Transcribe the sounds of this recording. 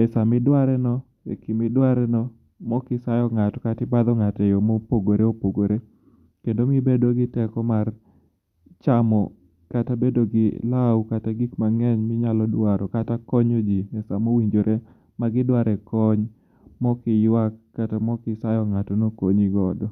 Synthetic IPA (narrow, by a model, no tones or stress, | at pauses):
ɛsamɪdwaɾɛnɔ | ɛ̰kɪmɪdwaɾɛnɔ | mɔkɪsajɔŋatɔkatɪbad̪ɔŋatɛjɔmɔpoɡoɾeopoɡoɾe | kendomɪbedoɡɪtɛkɔmar | t͡ʃamɔ | katabedoɡɪlawkataɡikmaŋɛɲmɪɲalɔdwaɾɔkatakɔɲod͡ʒimɛsamowiɲd͡ʒoɾʔe | maɡɪdwaɾɛkɔɲ | mɔkɪjwakːatamɔkɪsajɔŋatɔnokoɲiɡɔdɔ